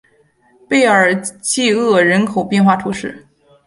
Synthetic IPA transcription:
pe˥˩ɪə˞˨˩t͡ɕi˥˧ɤ˥˩ɻə˧˥nkʰo˨˩ʊpjɛ˥˧nxwa˥˩t̪ʰu˧˥ʂɻ̩˥˩

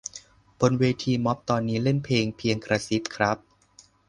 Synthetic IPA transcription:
b̥o˧nweː˧t̪ʰiː˧mɔ˦˥p̚t̪ɔː˧nːiː˦˥le˥˩npʰeː˧ŋpʰi˧əŋkɾa˧si˦˥p̚kʰɾa˦˥p̚

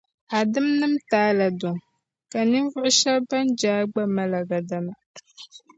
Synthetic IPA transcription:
a˨dɨ˦mnɨ˦mtaː˨˦la˨do˨ŋ | ka˨ni˦ɱ˦vʊ˦ʔʊ˦ʃɛ˦lba˦nd͡ʒaː˦ɡ͡ba˦ma˦la˨ɡa˨da˦ma˦

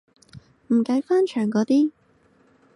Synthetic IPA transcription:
m̩˨˩kɐ˨˧˥jfaː˥nt͡ʃʰœː˨˩ŋkɔː˨˧˥t̪iː˥

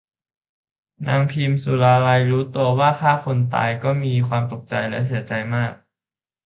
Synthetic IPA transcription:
na̰ː˧ŋpʰiː˧msu˨˩˦ɾaː˧la˧jɾuː˦˥t̪u˧ɐwaː˥˩kʰaː˥˩kʰo˧nt̪a̰ː˧jkɔː˥˩miː˧kʰwaː˧mt̪o˨˩k̚t͡ɕa˧jlɛ˦˥ʔs̬i˩˦ɐt͡ɕa˧jmaː˥˩k̚

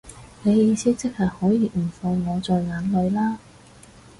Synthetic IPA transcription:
ne˨˧jjiː˨˧siː˥t͡sɪ˥k̚haː˨˩k̚hɔː˨˥jiː˨˧m̩˨˩fɔː˧ŋŋɔː˨˧t͡sɔː˨˧jŋaː˨˥nlɵ˨˧ɥlaː˥

